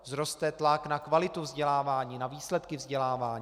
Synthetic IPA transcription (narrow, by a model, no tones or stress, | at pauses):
zɾo̞st̪ɛt̪laknakvalɪt̪uvzɟɛlaːvaːɲiːnaviːslɛt̪kɪvzɟɛlaːvaːɲ